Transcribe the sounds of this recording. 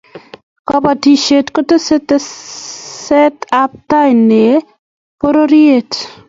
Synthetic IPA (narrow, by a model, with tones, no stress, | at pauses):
kɔ˨ba˨ti˨ʃe˨tko˦to˦se˦te˦ | sɛ˦ta˦p̚ta˦jnːe˨ | po˦ɾo˦ɾje˦t